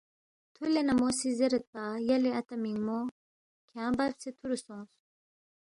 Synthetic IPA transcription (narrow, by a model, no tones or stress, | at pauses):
t̪ʰulenɐmosizeɾɐt̪̚pajɐleɐt̪ɐmiŋmo | kʰãːbɐbset̪ʰuɾusõːs